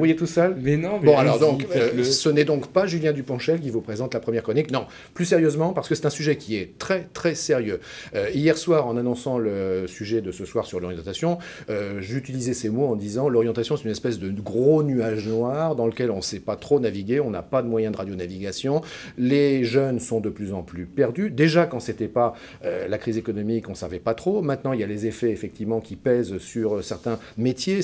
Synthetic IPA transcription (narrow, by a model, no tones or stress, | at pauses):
vajet̪usœlmñbɔ̃alɔʁd̪ɔ̃køsənɛd̪ɔ̃kpaʒyljɛ̃d̪ypɑ̃ʃɛlk̬ʲivupχezɑ̃t̪lapχəmjɛʁkχɔniknɔ̃ | plysɛʁjøzmɑ̃paʁsə̥kəsɛ̥t̪ɛ̃syʒɛkʲiɛt̪χɛt̪χɛseʁjø | øijɛʁswaːʁɑ̃nanɔ̃sɑ̃ləsyʒɛd̪əsəswaʁsyʁlɔʁjɑ̃t̪asjɔ̃ | øʒeyt̪ilizɛsemoɑ̃d̪izɑ̃lɔʁjɑ̃t̪asjɔ̃sɛt̪ynɛspɛsd̪əɡʁonyaʒnwaʁd̪ɑ̃ləkʲɛlɔ̃sɛpat̪χonaviɡʲeɔ̃na̰pad̪əmwajɛ̃d̪əʁad̪jonaviɡʲasjɔ̃ | leʒœnsɔ̃d̪əplyzɑ̃plypɛʁd̪yd̪eʒakɑ̃set̪ɛpa | ølakχizekɔnɔmikɔ̃savɛpat̪χomɛ̃t̪nɑ̃iljalezefɛefɛk̚t̪ivmɑ̃kʲipɛzsyʁsɛʁt̪ɛ̃ | met̪je